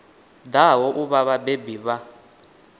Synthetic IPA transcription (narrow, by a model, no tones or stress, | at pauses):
d̪awɔʔuβaβabebiβa